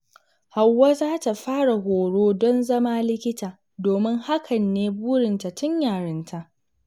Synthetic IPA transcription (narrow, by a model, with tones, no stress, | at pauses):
ha˨wːaː˦zaː˦ta˨ɸaː˦ɽa˨ɦoː˨ɽoː˦dɔ˦nzɐ˦maː˦lɪ˦kʲɪ˦taː˨ | doː˨mɪ˦ŋha˦kʰɐ˨nːeː˦buː˦ɽɪ˨nta˨tʊ˦ɲjaː˨ɽɪ˦ntʰa˨ʔ